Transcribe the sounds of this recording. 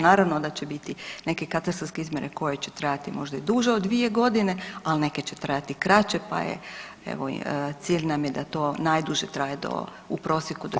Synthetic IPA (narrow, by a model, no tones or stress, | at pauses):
naːɾaʋnod̪at͡ɕebit̪ine̞ke̞kat̪ast̪ɾalskeizmʲje̞neko̞je̞t͡ɕe̥t̪ɾajat̪imo̞ʒd̪aid̪uʒeod̪ːʋie̞ɡo̞d̪ine̞alne̞ke̞t͡ɕe̞̥t̪ɾajat̪ikɾat͡ɕe̞pa̰jḛ | ḛʋo̰t̪siːʎnamjed̪at̪o̞ːnajd̪uʒet̪ɾaːjed̪o̰ | upɾo̞ːsjekud̪o